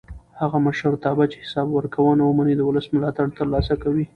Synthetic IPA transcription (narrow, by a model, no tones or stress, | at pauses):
haɣaməʃəɾt̪ɑbat͡ʃe̥hɪ̥sɑbwəɾkawənawəmanid̪əwʊləsmʊlɑt̪aɽt̪əɾlɑsakawi